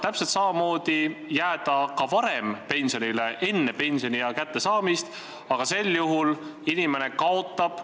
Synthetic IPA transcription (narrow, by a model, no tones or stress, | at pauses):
t̪æpselt̪sɑmɑmo̞ːd̪̥ijæːd̪̥ɑkɑvɑɾe̞mpe̞nʲso̞nileʔe̞nːe̞pe̞nʲsio̞nijɑkæt̪ˑːe̞sɑːmist̪ | ɑɡ̥ɑse̞lːjuɦulinime̞ne̞kɑo̞t̪ːˑɑb̥